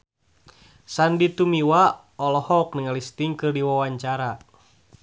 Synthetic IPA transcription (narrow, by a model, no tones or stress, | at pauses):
sandit̪umiwa | ɔlɔhɔk̚niŋalist̪iŋkɨrdiwawaɲt͡ʃaɾa